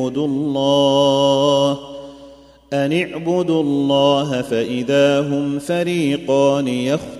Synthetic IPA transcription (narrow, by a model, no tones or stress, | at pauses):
ʊd̪ʊlˤːɑː | h | ʔanaʕbʊd̪uɑlːɑːɦafaʔɪðaːɦʊmfaɾiːqɑːnɪjax